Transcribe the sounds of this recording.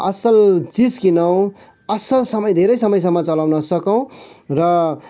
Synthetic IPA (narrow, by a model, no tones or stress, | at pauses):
ʌ̰sʌlt͡sid͡zkinʌw̃ | ʌsʌlsʌmʌjd̪ʱeɾʌjsʌmʌjs̬ʌmːʌt͡sʌlawnʌsʌkʌw̃rʌ